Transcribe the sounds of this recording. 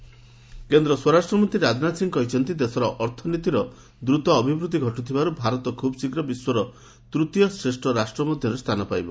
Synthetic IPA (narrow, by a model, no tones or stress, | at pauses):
kend̪ɾɔswɔɾasʈɾɔmɔnt̪ɾiɾad͡ʒ̪nasiŋkɔɦit͡ʃʰɔnt̪id̪esɔɾɔʔɔɾt̪ʰɔnit̪iɾɔ | d̪ɾut̪ɔːbʱibɾut̪iɡʱɔʈut̪ʰibaɾubʱaɾɔt̪ɔkʰubɔsikɾɔbiswɔɾɔ | t̪ɾut̪jɔsɾesʈɔɾasʈɾɔmɔd̪ʱjɔɾest̪ʰanɔpajbɔ̰